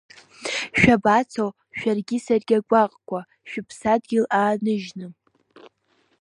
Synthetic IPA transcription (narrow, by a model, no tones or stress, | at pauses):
ʃᶣabat͡sʰow | ʃᶣarɡʲɪsarɡʲaɡʷʼaqʼkʷʰa | ʃᶣʊpʰsadɡʲɪlaːnɨʒnɨ